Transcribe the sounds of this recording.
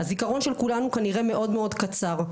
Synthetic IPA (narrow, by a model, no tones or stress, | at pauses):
hazikaʁo̞nʃelkulanukaniʁe̞me̞ʔo̞dmeo̞dkat͡saʁ